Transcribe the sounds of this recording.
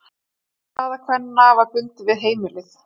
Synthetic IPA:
θaːðakʰvɛnːavaɾpʏnt̪ɪvɪðɦeːjmɪlɪθ

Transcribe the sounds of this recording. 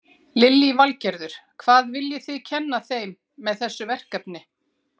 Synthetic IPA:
lɪljivalcɛɾðʏɾ̥kʰvaːðvɪljɪθɪðcʰɛnːaθejmː | ɛðθɛsːʏvɛr̥kapnɪ

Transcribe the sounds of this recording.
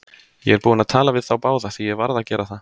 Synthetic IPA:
jɛɛɾpuːɪnaðt̪ʰaːlavɪð̥θawpaːwðaθijɛɣvaɾðacɛːɾaθa

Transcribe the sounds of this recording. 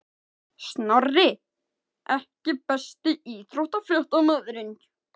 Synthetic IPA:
snɔrːɪ | ʔɛhcɪpɛst̪ɪiːt̪ɾowht̪afljœht̪awmœðɾɪn

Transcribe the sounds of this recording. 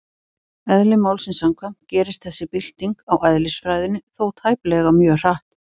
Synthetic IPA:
ɛðlɪmaːwlsɪnsamkʰvam̥t̪̚cɛːɾɪst̪θɛsːɪpɪl̥t̪iŋkawʔaðlɪsfɾajðɪnːɪθowt̪ʰaːjplɛɣamjœːr̥aht̪

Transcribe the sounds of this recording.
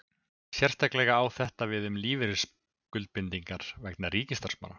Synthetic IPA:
sjɛr̥st̪ʰaklɛɣaːwθɛht̪avɪðʏmliːvɪɾɪs | kʏlt̪̚pɪnt̪iŋkaɾ̥vɛknarɾiːcɪst̪arsma̰na

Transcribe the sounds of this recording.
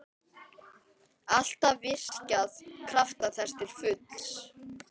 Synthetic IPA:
al̥t̪avɪr̥caðkʰɾaft̪aθɛst̪ɪɾ̥fʏt̪l̥s

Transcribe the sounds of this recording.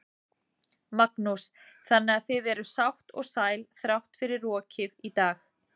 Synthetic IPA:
maknusθanːɛaθɪðɛɾʏsawht̪ɔ̰ɣsaːjlθɾawht̪fɪɾɪrːɔːcʰɪðit̪aːx

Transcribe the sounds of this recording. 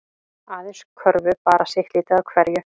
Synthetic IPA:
aːðɪnskʰœɾvʏpaːɾasjɪxlɪːt̪aakʰvɛɾjʏ

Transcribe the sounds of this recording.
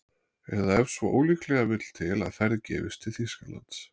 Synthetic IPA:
ɛðaɛɾ̥svɔʔoːwliklɛɣavɪt̪l̥t̪ʰɪla̰ðθɛɾːɪcɛ̰ːvɪst̪ʰɪlθiskala̰nt̪s

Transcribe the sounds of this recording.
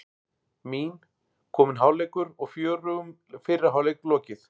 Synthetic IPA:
miːn | kʰɔːmɪnɦaːwlɛjkʏɾɔɣfjœːɾʏʏm | fɪɾaɦawlejklɔːcɪθ

